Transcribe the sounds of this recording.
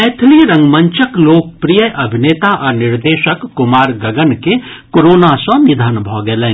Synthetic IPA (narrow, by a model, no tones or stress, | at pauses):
ɛːt̪ʰliɾɐ̃ŋɡmə̃ɲt͡ʃəkloːk̚pɾijəʔɐbʱineːt̪aʔɔɾnɪɾd̪eːʃəkːʊmaːɾɡɐɡənke | koɾoːnasɔ̃nid̪ʱənbʱɔːɡelẽː